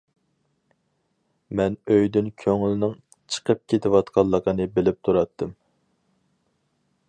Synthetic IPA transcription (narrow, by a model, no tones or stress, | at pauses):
mɛnøjd̪ynkʲʰøŋlɪnɪŋ | t͡ʃʰə̥qʰəp̚kʲʰet̪ʰɪwɑt̪qʰɑlˠːəqənɨbɪlɪp̚t̪ʰuɾɑt̪ʰːɨm